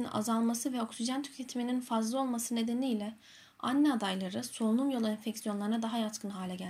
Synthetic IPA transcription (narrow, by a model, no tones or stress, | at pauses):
na̰zalˠmasɯvɛo̞ksiʒænt̪ʰy̥cʰet̪ʰimininfazlˠɯo̞lˠmasɯne̞d̪eniːlʲɛ | a̰nːɛad̪ajlˠaɾɯso̞lˠunˠumjo̞lˠainfɛcsijo̞nlˠaɾɯnad̪aɦajat͡ʃkʰɯnɦaːlʲɛɟælʲ